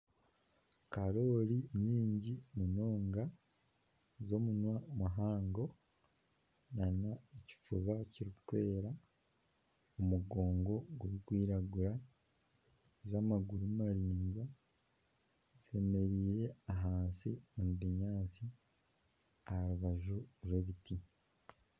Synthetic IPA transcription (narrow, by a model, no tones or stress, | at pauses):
kaɾo̞ːɾiɲiːɲɟimuno̞ːŋɡa | zo̞munwamuɦaːŋɡo̞ | nanaeci̥fuβaciɾikutwe̞ːɾa | omuɡo̞ːŋɡo̞ɡuβikwiːɾaɡuɾa | zamaɡuɾumaɾiːɲɡa | fe̞me̞ɾiːɾe̞aɦaːnsiumuβiɲaːt͡si | aɾuβaʒuɾweβiti